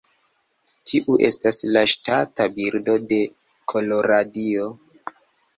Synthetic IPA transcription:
tʰiʔuʔe̞̰staslaʃtatabiɾdo̞de̞ | kʰo̞lo̞ɾadio̞

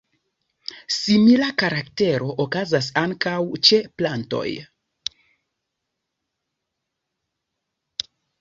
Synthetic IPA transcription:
similakaɾakte̞ɾo̞ʔokazas̬aŋkawt͡ʃe̞planto̞̰j

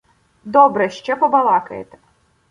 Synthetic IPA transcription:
d̪ɔbɾɛʃt͡ʃɛpɔbɐlˠɑkɐjḛt̪ɛ̥

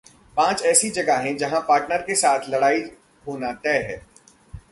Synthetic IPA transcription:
pãːt͡ʃɛːsid͡ʒɐɡaɦẽd͡ʒɐɦãpaːɾʈnəɾkesaːt̪ʰlɐɽaːi | ɦoːnat̪ɛːɦɛː

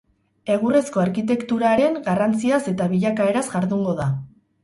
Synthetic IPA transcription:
e̞ɣ̞ure̞sko̞aɾkit̪̬e̞kt̪uɾaɾe̞ŋɡarant͡siase̞t̪aβiʎakae̞ɾazɡaɾðuŋɡo̞ða

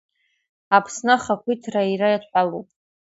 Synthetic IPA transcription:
apʰsnaχakʷʰitʰrairajatʰħʷalupʼ

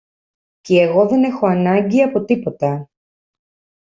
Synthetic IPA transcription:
ceːɣo̞ðe̞ne̞xo̞ɐnɐɲɟiɐpo̞t̪ipo̞t̪ɐ

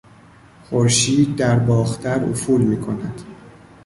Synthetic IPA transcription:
χoɾʃiːd̪̚ːæɾbɒːxt̪ʰæɾo̰fuːlmiːkʰo̞næd̪̥

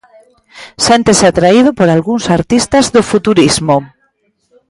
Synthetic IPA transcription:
sent̪esat̪ɾaið̞opoɾalɣuŋsaɾt̪ist̪azðofut̪uɾizmo

